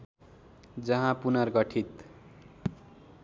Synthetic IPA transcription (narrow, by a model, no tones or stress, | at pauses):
d͡zʌɦãpunʌrɡʌʈʰit̪